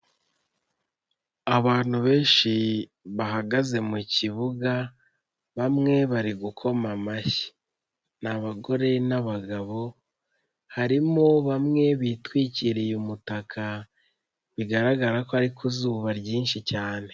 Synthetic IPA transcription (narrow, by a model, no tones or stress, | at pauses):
aβaːn̥huβe̞ːnʃiβaɦaɡaze̞muciβuɡa | βamŋe̞βaɾiɡukʰo̞mamaçi̥ | naβaɡo̞ɾe̞naβaɡaβo̞ | haɾimoβamŋe̞βitwiːciɾijumutakʰa | βiɡaɾaɡaɾakoaɾikʰuzuːβaɾɟiːnʃicaːne̞